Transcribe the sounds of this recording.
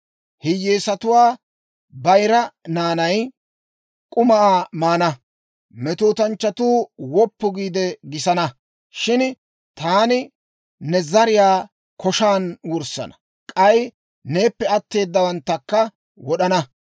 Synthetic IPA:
hɪjːeːsɐt̪ʊwaː | bɐjɾɐnaːnɐj | kʼʊmɐaːmaːnɐ | mɛt̪oːt̪ɐnt͡ʃːɐt̪uːwɔpːʊɡiːd̪ɛɡɪsɐnɐ | ʃɪn | t̪aːnɪ | nɛzɐɾɪjaː | kɔʃaːnwʊɾsɐ̰nɐ̥ | kʼɐj | ne̞ːpːɛɐt̪ːe̞ːd̪ːɐwɐnt̪ːɐkːɐ | wɔɗɐnɐ

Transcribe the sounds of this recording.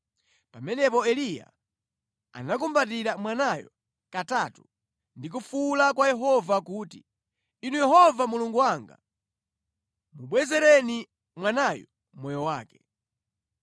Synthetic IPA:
pamɛnɛpɔɛlija̰ | a̰nak̬umbat̬iɾamwanajɔ | katatu | ndik̬ufulakwajɛɦɔvakuːti | inujɛɦɔvamuluŋɡuwaŋɡa̰ | muɓwɛzɛɾɛni | mwanajɔ | mɔjɔwaːkɛ̥

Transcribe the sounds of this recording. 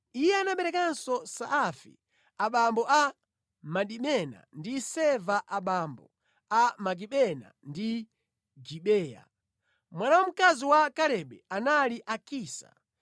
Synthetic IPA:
ijɛanaɓɛɾɛkansɔsaːfḭ | aɓambɔʔa | maɗimɛna̰ndisɛvaʔaɓambɔ | amak̬iɓɛna̰ndi | d͡ʒiɓɛːja̰ | mwanawam̩kaziwakaɾɛɓɛanaliʔakiːsa̰

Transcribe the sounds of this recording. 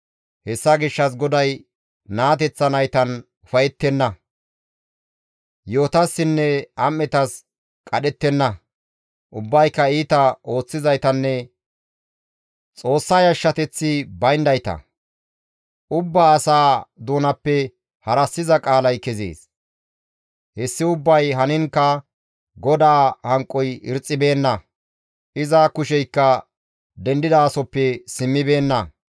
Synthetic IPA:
hɛsːɐɡɪʃːɐs̬ɡɔd̪ɐj | naːt̪̬ɛt͡sːɐnɐjt̪ɐn | ʊfɐjɛt̪ːɛnːɐ | joːt̪ɐsːɪnːɛɐmːɛt̪ɐs | kʼɐɗɛt̪ːɛnːɐ | ʔʊbːɐjkːɐiːt̪ɐo̞ːt͡sːɪzɐjt̪ɐnːɛ | t͡sʼo̞ːsːɐjɐʃːɐt̪ɛt͡sːɪbɐjnd̪ɐjt̪ɐ̰ | ʔʊbːaːsaːd̪uːnɐpːɛ | hɐɾɐsːɪzɐkʼaːlɐjkɛzḛːs | hɛsːɪʊbːɐjɦɐnɪŋkːɐ | ɡɔd̪aːhɐŋkʼːɔjɪ̰ɾt͡sʼːɪbe̞ːnːɐ | ʔɪzakʊʃɛjkːɐ | d̪ɛnd̪ɪd̪aːsɔpːɛsɪmːɪbe̞ːnːɐ

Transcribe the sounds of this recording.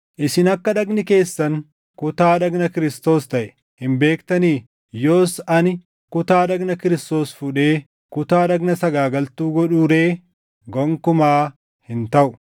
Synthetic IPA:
ʔɪsɪnɐkːɐᶑɐɡnɪke̞ːsːɐŋ | kʊt̪aːᶑɐɡnɐkɪɾɪst̪o̞ːst̪ɐʔɛ | hɪmbe̞ːkt̪ɐniː | jo̞ːsɐnɪ | kʊt̪aːᶑɐɡnɐkɪɾɪst̪o̞ːsfʊᶑe̞ː | kʊt̪aːᶑɐɡnɐsɐɡaːɡɐlt̪uːɡɔᶑuːɾe̞ː | ɡɔŋkʊmaː | hɪnt̪ɐʔʊ̥

